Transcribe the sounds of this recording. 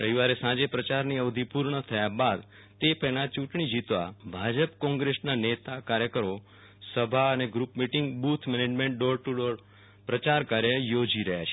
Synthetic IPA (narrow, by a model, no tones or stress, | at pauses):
əɦiʋaɾesãd͡ʒepɾət͡ʃaɾniəʋd̪ʱipuɾɳət̪ʰəjabad̪ | t̪epɛɦlat͡ʃũʈɳ̃id͡ʒit̪ʋabʱad͡ʒəpkɔ̃ŋɡɾesnanet̪akaɾjəkəɾo | səbʱaəneɡɾupmiʈɪŋɡbut̪ʰmɛned͡ʒmẽɳʈ̚ɖoɾʈuɖoɾ | pɾət͡ʃaɾkaɾjəjod͡ʒiɾəɦja̰t͡ʃʰe̥